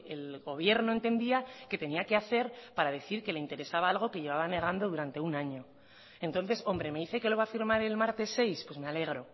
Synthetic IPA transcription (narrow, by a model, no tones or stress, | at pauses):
e̞lɣo̞β̞je̞ɾno̞e̞nt̪e̞nd̪iake̞t̪e̞niake̞aθe̞ɾpaɾaðe̞θiɾke̞le̞int̪e̞ɾe̞saβaalɣ̞o̞keʝe̞β̞aβane̞ɣ̞and̪o̞ðuɾant̪e̞unaɲo̞ | ent̪o̞nθe̞so̞mbɾe̞me̞iθe̞ke̞lo̞βafiɾmaɾe̞lmaɾt̪e̞sːe̞jspwe̞sme̞ale̞ɣɾo̞